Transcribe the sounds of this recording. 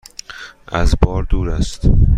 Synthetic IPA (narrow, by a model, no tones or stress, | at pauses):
ʔæzbɒːɾd̪uːɾæst̪